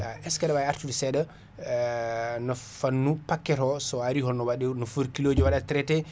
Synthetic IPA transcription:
aʔɛskaɗabajaɾtudɛsɛɗa | nɔfanːupakːɛɾɔsɔaɾihɔnːɔwaɗɛnɔfuɾkilod͡ʒuwaɗatɾɛtɛ

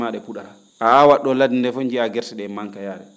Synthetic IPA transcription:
maɗɛpuɗaɾa | ʔaawaɗːɔladindɛfoɲd͡ʒiaɡɛɾsɛɗɛmaŋkajaːɾɛ̰

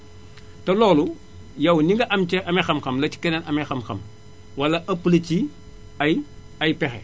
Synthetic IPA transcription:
tɐlɔːlu | jɐwniŋɡɐʔɐmt͡ʃɛʔɐmɛxɐmxɐmlɐci̥kɛnɛnɐmexɐmxɐm | wɐlɐʔɐpːlɐt͡ʃi | ɐj | ɐjpɛxɛ̰

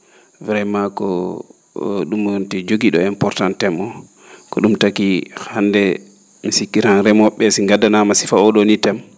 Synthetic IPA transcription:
viɾɛmakɔ̰ | ɗumntɛd͡ʒoɡiɗɔɛmpɔɾtantɛmɔ | kɔɗumtakihhandɛ | misikːiɾanɾɛmɔɓːɛsiŋɡadanamasi̥faɔɗonitɛm

